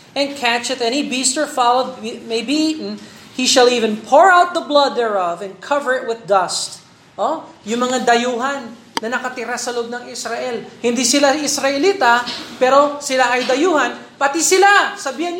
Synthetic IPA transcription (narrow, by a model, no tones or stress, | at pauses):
ʔɛ̃nkʰæt͡ʃɐt̪ɛnibist̪ə˞falod̪̚mejbiʔnhiʃɐlivɛ̃npʰoɹawt̪̚ðɐblɐd̪ːɛɹɐvɛ̃nd̪̚kʰɐvəɹɪt̪̚wɪðd̪ɐst̪̚ | ʔo | jʊŋmɐŋad̪ɐjuːɦɐnː | ɐnɐkɐt̪ɪɾasɐloʔob̚nɐŋɪsɾaʔɛlhɪ̃nd̪isɪlaɪsɾɐʔɛliːt̪ɐpɛɾo̞sɪlaʔɐjd̪ɐjuːhɐn | pɐt̪isɪlasɐbiːhɪn